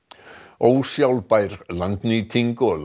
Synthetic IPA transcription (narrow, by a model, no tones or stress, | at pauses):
owsjawlpajɾlant̪nit̪ʰiŋkɔl